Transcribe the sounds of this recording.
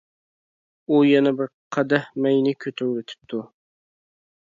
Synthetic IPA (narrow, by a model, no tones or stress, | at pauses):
ujɛnɛbɪɾqʰɑd̪ɛhmɛjnɪkʲʰøt̪ʰøwɾɪt̪ʰɪ̥p̚t̪ʰu